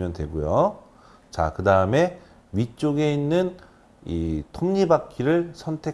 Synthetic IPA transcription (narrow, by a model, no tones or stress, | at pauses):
mjʌntwe̞̰ɡujo | t͡ɕa̰kɯdaɯme̞ | ɥit͡ɕ͈oɡe̞inːɯn | itʰomɲibakʰiɾɯɭsʰʌntʰe̞